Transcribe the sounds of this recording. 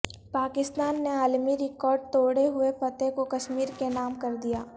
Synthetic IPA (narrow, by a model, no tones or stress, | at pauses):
paːkɪst̪aːnːeaːlmiɾɪkɔːɾɖ̚t̪oːɽeɦʊepɐt̪ẽkokɐʃmiːɾkenaːmkɐɾd̪ijaː